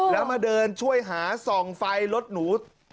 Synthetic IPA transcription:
lɛː˦˥wmaː˧dɤː˧nt͡ɕʰu˥˩əjɦaː˩˦sɔː˨˩ŋfa˧jlo˦˥t̪̚nuː˩˦

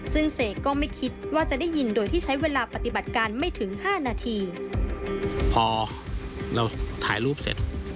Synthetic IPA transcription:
sɯ˥˩ŋseː˨˩kːɔː˥˩ma˥˩jkʰi˦˥t̪̚waː˥˩t͡ɕa˨˩da˥˩jːi˧ndoː˧jt̪ʰiː˥˩t͡ɕʰa˦˥jweː˧laː˧pa˨˧t̪i˨˩ba˨˩t̪̚kaː˧nma˥˩jt̪ʰɯ˩˦ŋhaː˥˩naː˧t̪ʰiː˧ | pʰɔː˧ | la˧wt̪ʰaː˩˦jluː˥˩p̚sḛ˨˩t̪̚

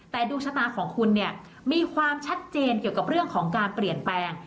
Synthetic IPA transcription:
t̪ɛː˨˩duː˧kt͡ɕʰa˧t̪aː˧kʰɔː˩˦ŋkʰu˧nːi˥˩ə | miː˧kʰwaː˧mt͡ɕʰa˦˥t̪̚t͡ɕeː˧nki˨˩əwka˨˩p̚ɾɯ˥˩əŋkʰɔː˩˦ŋkaː˧npli˨˩ənplɛː˧ŋ

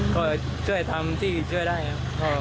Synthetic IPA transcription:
kɔː˧˩ | t͡ɕʰu˥˩əjt̪ʰa˧mt̪ʰiː˥˩˨t͡ɕʰu˥˩əjdaː˥˩ja˧˥˩pʰɔː˧

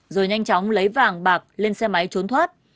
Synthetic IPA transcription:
zo˨˩jɲa˧jŋ̟t͡ɕɔ˨˦wŋ͡mlə˨˦jvaː˨˩ŋɓaː˨˩k̚le˧nsɛ˧ma˨˦jt͡ɕo˨˦nt̪ʰwaː˦˥t̚

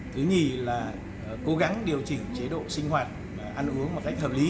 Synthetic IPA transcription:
t̪ʰɨ˨˦ɲi˨˩laː˨˩˨ | ko˨˦ɣa˨˦ŋɗi˨˩əwt͡ɕï˨˩ŋ̟t͡ɕe˨˦ɗo̰˧˨sï˧ŋ̟ɦwaː˨˩t̚ | ʔa˧nʔɨ˨˦əŋmo˨˩t̚ka˦˥k̟̚hʰəː˨˩p̚li˨˦

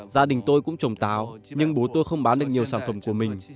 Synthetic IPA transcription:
zaː˧ɗï˨˩ŋ̟t̪o˧jkʊ̰˧˥ŋ͡mt͡ɕə˨˩wŋ͡mt̪aː˨˦wɲɨ˧ŋɓo˨˦t̪o˧jxə˧wŋ͡mɓaː˨˦nɗək̚ɲi˨˩əwsaː˧˩nfə˧˩mku˧˩əmï˨˩ŋ̟

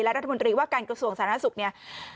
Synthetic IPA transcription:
lɛ˦˥ɾt̪ʰa˧mo˧nt̪ɾiː˧waː˥˩kaː˧nkɾa˧su˧˩əŋsaː˩˦nʰa˥˩su˨˩k̚ni˥˩ɐ

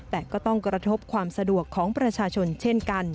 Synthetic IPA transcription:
t̪ɛː˨˩kɔː˥˩t̪ɔ˥˩ŋkɾa˧t̪ʰo˦˥p̚kʰwaː˧msa˧du˨˩əkʰːɔː˩˦ŋpɾa˧t͡ɕʰaː˧t͡ɕʰo˧nt͡ɕʰe˥˩nka˧n

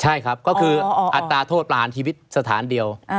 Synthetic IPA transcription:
t͡ɕʰa˥˩jkʰɾa˦˥p̚kɔː˥˩kʰɯː˧ʔa˨˩t̪ːaː˧t̪ʰoː˥˩t̪̚pɾa˧haː˩˦nt͡ɕʰiː˧wi˦˥t̪̚sa˧t̪ʰaː˩˦ndi˧əw

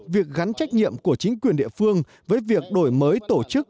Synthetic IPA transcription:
vi˨˩ək̚ɣa˨˦nt͡ɕa˦˥jk̟̚ɲḭ˧˨əmku˧˩ət͡ɕï˨˦ŋ̟kwi˨˩ənɗḭ˧əfɨ˧əŋ | vəː˨˦jvi˨˩ək̚ɗo˧˩jməː˨˦jt̪o˧˩t͡ɕɨ˦˥k̚

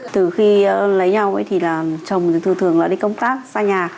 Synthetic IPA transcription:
t̪ɨ˨˩xi˧lə˨˦jɲa˧wʔə̰˨˦jt̪ʰi˨˩laː˨˩t͡ɕə˨˩wŋ͡mt̪ʰɨ˧˩t̪ɨ˨˩əŋla̰ː˨˩ɗi˧kə˧wŋ͡mt̪aː˦˥k̚saː˧ɲaː˨˩

